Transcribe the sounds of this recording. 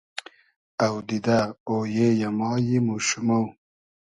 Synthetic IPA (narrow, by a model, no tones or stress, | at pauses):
awd̪id̪aojejamɑːjimoʃumaw